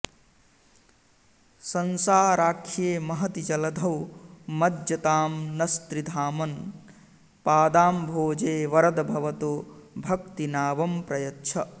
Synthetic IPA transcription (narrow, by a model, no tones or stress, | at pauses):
sɐnsaːɾaːkʰjemɐɦɐt̪id͡ʒɐlɐd̪ʱɐwmɐd̪jɐt̪aːmnɐst̪ɾid̪ʱaːmɐn | paːd̪aːmbʱoːd͡ʒeːʋɐɾɐd̪bʱɐʋɐt̪oːbʱɐkt̪inaːbɐmpɾɐjɐtːʃʰɐ